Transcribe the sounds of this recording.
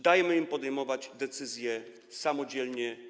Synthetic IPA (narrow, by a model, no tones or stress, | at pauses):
d̪ajɛmɘimpɔd̪ɛjmɔvad͡ʑd̪ɛt̪sɘzʲjɛ | samɔd͡ʑɛlɲɛ